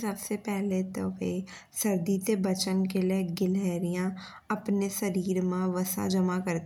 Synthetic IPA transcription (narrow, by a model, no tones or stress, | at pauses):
səbsepɛɦlet̪obe | səɾd̪it̪ebət͡ʃənkeleɡɪlɛːɾijã | ɐpnesəɾiːɾmãʋəsã̰d͡ʒəmakəɾt̪